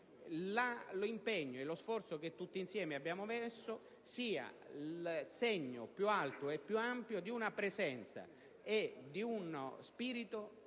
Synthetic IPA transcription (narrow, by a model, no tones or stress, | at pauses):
lalimpɛɲːoelosfɔrt̪soket̪ːut̪ːinsjɛːmeabːjaːmovɛsːʊ | siːa̰ | lsɛɲːo̰pjualt̪ʊepːjuampjod̪iunapɾɛzɛnt̪sa̰ | ed̪iunspiːɾit̪o